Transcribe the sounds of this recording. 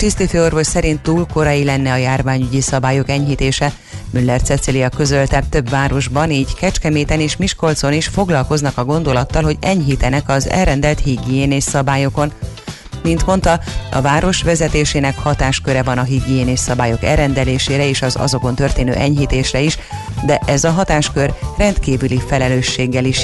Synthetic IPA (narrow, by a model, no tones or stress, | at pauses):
kɾist̪ifeo̞rvo̞ʃsɛɾint̪ːuːlko̞ɾɒjilɛnːɛɒjaːrvaːɲyɟisɒbaːjo̞kɛɲɦit̪eːʃɛ | mylːɛrt̪sɛt̪silijɒkø̞zølt̪ɛt̪ø̞bvaːɾo̞ʒbɒniːɟkɛt͡ʃkɛmeːt̪ɛneːʃmiʃko̞lt̪so̞niʃfo̞ɡlɒlko̞znɒkɒɡo̞nd̪o̞lɒt̪ːɒlɦo̞ɟɛɲɦit̪ɛnɛkɒzɛ̰lrɛnd̪ɛlt̪hiɡijeːneːssɒbaːjo̞ko̞n | mint̪mo̞nt̪ɒɒ̰vaːɾo̞ʃʋɛzɛt̪eːʃeːnɛkhɒt̪aːʃkø̞ɾɛvɒnɒɦiɡijeːneːsːɒbaːjo̞kɛ̰rɛnd̪ɛleːʃeːɾɛeːʃɒzɒ̰zo̞ko̞nt̪ørt̪eːnø̰ːʔɛɲɦiːt̪eːʃrɛiʃ | d̪ɛʔɛzɒɦɒt̪aːʃkø̞rrɛnt̪kiːvylifɛlɛløːʃːeːɡːɛliʃ